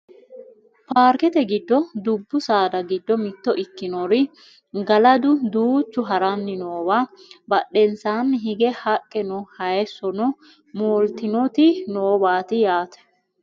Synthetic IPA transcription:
paːɾkɛt̪ɛɡɪd̪ːɔd̪ʊbːʊsaːd̪ɐɡɪd̪ːɔmɪt̪ːɔʔɪkːɪnɔɾɪ | ɡɐlɐd̪ʊd̪uːt͡ʃːʊɦɐɾɐnːɪnoːbaː | bɐɗɛnsaːnːɪɦɪɡɛhɐkʼːɛnɔhɐjɛsːɔnɔ | moːlt̪ɪnɔt̪ɪnoːbaːt̪ɪjaːt̪ɛ̥

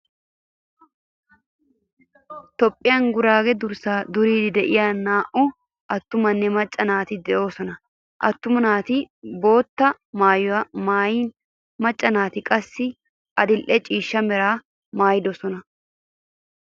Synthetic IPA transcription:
t̪ɔpʼːɪjaŋɡʊɾaːɡɛd̪ʊɾsaːd̪ʊɾiːd̪ɪd̪ɛʔɪjaːnːaːʔʊ | ʔɐt̪ːʊmɐnːɛmɐt͡ʃʼːɐnaːt̪ɪd̪ɛʔo̞ːsɔnɐ | ʔɐ̰t̪ːʊmɐnaːt̪ɪbo̞ːt̪ːɐ | maːjmaːjiːn | mɐt͡ʃʼːɐnaːt̪ɪkʼɐsːɪ | ʔɐd̪ɪlʔɛt͡ʃʼiːʃːɐmɛɾaː | maːjd̪ɔsɔnɐ

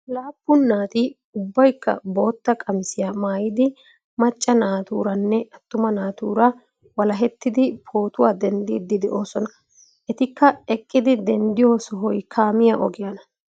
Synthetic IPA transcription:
laːpːʊnːaːt̪ɪ | ʊbːɐjkːɐ̰bo̞ːt̪ːɐkʼɐmsɪjaːmaːjɪd̪ɪ | mɐt͡ʃʼːɐnaːt̪ṵːɾɐnːɛɐt̪ːʊmɐnaːt̪ṵːɾɐ | wɐlɐɦɛt̪ːɪd̪ɪpʰo̞ːt̪ʊwaːd̪ɛnd̪iːd̪ɪd̪ɛʔo̞ːsɔnɐ | ʔɛt̪ɪkːɐɛkʼːɪd̪ɪd̪ɛnd̪ɪjo̞ːsɔɦɔjkʰaːmɪjaʔɔ̰ɡɪjɐnɐ

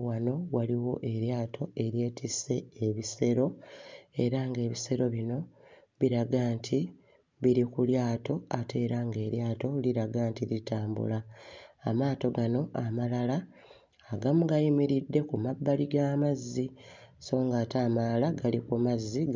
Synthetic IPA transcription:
wano̞waliwo̞̰ʔe̞ɾjaːtʰo̞e̞ɾje̞ːtʰise̞ːβise̞ɾo̞e̞ɾaŋɡe̞ːβise̞ɾo̞βino̞ | βiɾaɡaːntʰi | βiɾikuljaːto̞ate̞ːɾaŋɡe̞ːɾjaːto̞liɾaɡaːntilitaːmbṵlaː | maːto̞ɡano̞ʔamalalaː | ɡamuɡajimiɾidːe̞kumabːaliɡaːmazːiso̞ːŋɡaːtaːmalaɡalikumazːi

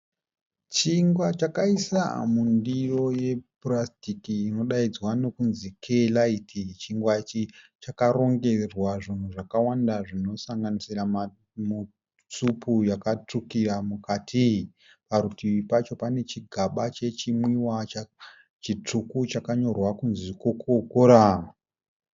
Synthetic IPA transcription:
t͡ʃiŋɡwat͡ʃakaisa̰mundiro̞je̞prastikiːno̞ɗaid͡zwano̞kunzikʰelaitʰit͡ʃiŋɡwat͡ʃi | t͡ʃakaro̞ŋɡe̞rwaʐin̤uʐakawandaʐino̞saŋɡanisiram | mu | t͡supujakat͡ʂukiramukatʰi | paɾutiʋipat͡ʃo̞pane̞t͡ʃiɡʱaɓat͡ʃe̞t͡ʃimwiwat͡ʃa | t͡ʃit͡ʂukut͡ʃakaɲo̞rwakunzikokokoɾa

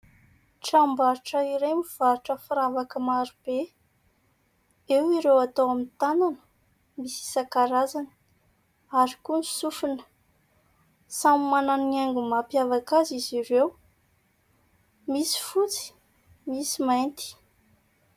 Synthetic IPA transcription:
ʈ͡ʂambaɾuʈ͡ʂəiɾejmiv̥aɾʈ͡ʂəfɾavakəmaɾub̥e | ewiɾewat̪owamint̪ananə̥ | misi̥sakaɾazanə | aɾikunisufunə̥ | samimananaŋɡumapjavakaziziɾew | misi̥fut͡si̥ | misimajnt̪i̥

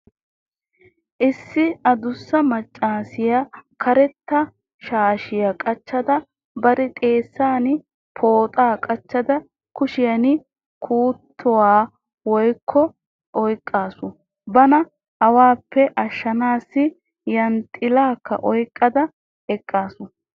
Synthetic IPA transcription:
ʔɪsːɪɐd̪ʊsːɐmɐt͡ʃʼːaːsɪjakʰɐɾɛt̪ːɐ | ʃaːʃɪjɐkʼɐt͡ʃːɐd̪ɐ | bɐɾɪt̪ʼe̞ːsːaːnɪ | pʰoːt̪ʼaːkʼɐt͡ʃːɐd̪ɐ | kʊʃɪjɐnɪ | kʰuːt̪ʰːɔwaː | wɔjkʰːɔ | ʔɔjkʼːaːsʊ | bɐnɐ | hɐwaːpːɛʔɐʃːɐnaːsːɪ | jɐnt̪ʼɪlaːkːɐ̰ʔɔjkʼːɐd̪ɐ | ɛkʼːaːsʊ

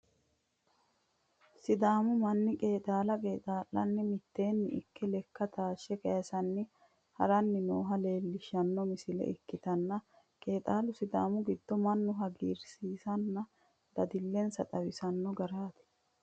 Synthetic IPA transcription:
sɪd̪aːmʊmɐnːɪkʼe̞ːt̪ʼaːlɐkʼe̞ːt̪ʼaːlːɐnːɪmɪt̪ːe̞ːnːɪʔɪ̰kːɛlɛkːɐt̪aːʃːɛkɐjɐsɐnːɪ | hɐ̰ɾɐnːɪnoːɦɐle̞ːlːɪʃːɐnːɔmɪsɪlɛ̰ʔɪkːɪt̪ɐnːɐ | kʼe̞ːt̪ʼaːlʊsɪd̪aːmʊɡɪd̪̥ːɔmɐnːʊɦɐɡiːɾsiːsɐnːɐ | d̪̥ɐd̪ɪlːɛnsɐt̪ʼɐwɪsɐnːɔɡɐɾaːt̪ɛ̥

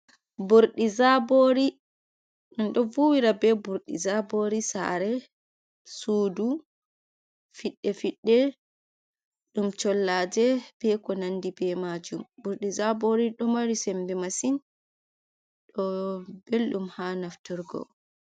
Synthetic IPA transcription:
buɾɗizaboɾi | ɗɔnɗɔvuwiɾabɛbuɾɗizaboɾisa̰ɾɛ | suːdu | fiɗːɛfiɗːɛ | ɗumt͡ʃɔlːaːd͡ʒɛb̥ɛkɔnandibɛmad͡ʒumbuɾɗizaboɾiɗɔmaɾisɛmbɛmasin | ɗɔbelɗumhanaftuɾɡɔ̰

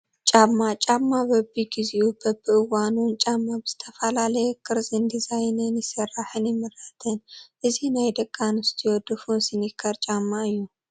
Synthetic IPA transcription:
t͡ʃʼamːat͡ʃʼamːabɐbiɡiziʔubɐbɨʔɨwanunt͡ʃʼamːabɨz̥ɨt̪ʰɐfɐlalɐjɛkʰɨɾzɨnd̪izajnɨnjɪsɐɾaħɨnjɪmɨɾɐt̪ʰɨnʔɨzinajd̪ɐkʼːanɨst̪ʰijod̪ɨfunsɨnikʰɐɾt͡ʃʼamːaɨjːu

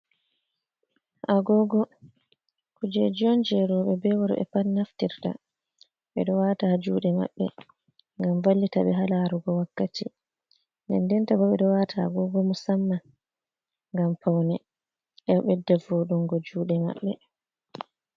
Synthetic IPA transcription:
ʔaɡɔɡɔ | kud͡ʒɛd͡ʒɔnd͡ʒɛɾɔɓɛbɛwaɾɓɛ̰pannaftiɾta̰ | ɓɛɗɔwatad͡ʒuːɗɛma̰ɓːɛ̰ | ŋɡamvalːitaɓɛɦalaɾuɡɔwakːati | ndɛ̰ndɛntabɔɓɛɗɔwatʰaa̰ɡɔɡɔmusamːa | ŋɡampʰawnɛ | ʔɛɓɛdɛvoɗuŋɡɔd͡ʒuːɗɛma̰ɓːɛ

